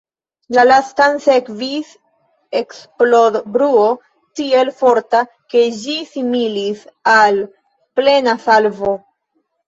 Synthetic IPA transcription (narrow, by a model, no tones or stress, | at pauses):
lalastanse̞kvis | eksplobɾuo̞ | tie̞lfo̞ɾta | ke̞d͡ʒisimilisal | ple̞nasalvo̞